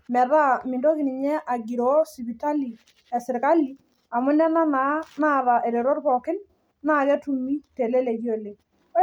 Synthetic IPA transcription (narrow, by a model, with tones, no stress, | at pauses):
mɛ˨ða˦mɪ˨ndo˦kɪ˨nɪ˨ɲɛ˦ʔa˨ɡiɾɔ˦si˨bi˨ta˦li˨ | a˨sɪ˨ɾka˦li˨ | a˨mʊ˦nɛ˦na˦na˦na˦ða˨ʔɛ˨ɾe˨ɾɔ˦ɾkɔkɪ˦n | na˦kɛ˦tu˨mi˦tɛ˨lɛ˦lɛ˨ɣjo˦le˨˦